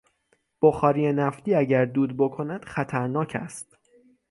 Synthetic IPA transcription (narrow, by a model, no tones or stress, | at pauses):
b̥oxɒːɾiːenæft̪iːæɟæɾd̪uːd̪̚bo̞kʰo̞næd̪̥χæt̪ʰæɾnɒːcʰæ̰st̪̚